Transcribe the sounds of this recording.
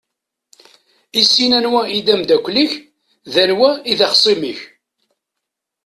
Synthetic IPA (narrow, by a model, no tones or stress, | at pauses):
isːinænwæid̪æmd̪ækʷliç | ðænwæiðɑχsˤimiç